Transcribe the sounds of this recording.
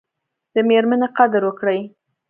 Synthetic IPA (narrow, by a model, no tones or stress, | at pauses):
d̪̥əmeɾmaneqad̪ɾwəkɽəj